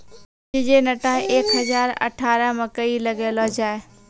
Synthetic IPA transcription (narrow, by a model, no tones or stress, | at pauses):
ɪd͡ʒenɐʈaeːkɦɐzaːɾɐ̰ʈʰaːɾəmɐ̃kɐilɐɡeloːd͡ʒaːe